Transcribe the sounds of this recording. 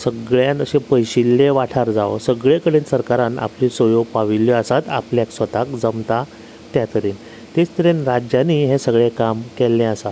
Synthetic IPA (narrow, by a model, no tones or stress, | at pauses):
səɡɭjãnəɕẽpəjɕilːeʋaʈʰaɾd͡zaʋsəɡɭekəɽensəɾkaɾãna̰plisəjoɡpaʋiljɔəsat̪a̰pljaksʋət̪akd͡zəmt̪a | t̪jat̪əɾiːn | t̪et͡st̪əɾenɾad͡ʑjaniːɦesəɡɭekamkɛlːẽəsat̪